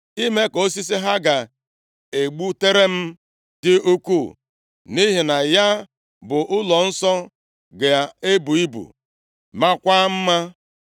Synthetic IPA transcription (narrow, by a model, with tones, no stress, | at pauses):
i˦me˦ko˦si˦s̬i˦ɦa˦ɡa˨ | e˨ɡ͡bu˦te˦ɾe˦m̩˦ | d̥ɪ˦u˦ku˦˨ | ni˦ɦi˨na˨ja˦ | bʊ˨ʔʊ˦lɔ˨n̩˦sɔ˦ | ɡe˨a˨e˦bu˨i˦bṵ˨ | ma˦kʷa˦m̩˦ma˦